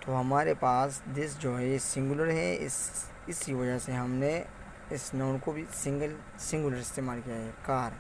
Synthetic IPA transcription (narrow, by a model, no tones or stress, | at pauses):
t̪oːɦɐmaːɾepaːsd̪ɪsd͡ʒoːɦɛesɪ̃ŋɡʊləɾɦɛɪs | ɪsiʋɐd͡ʒəseɦɐmne | ɪsnaːʊnkobʱisɪ̃ŋɡəl | sɪ̃ŋɡʊləɾɪst̪eːmaːlkijaɦɛːkaːɾ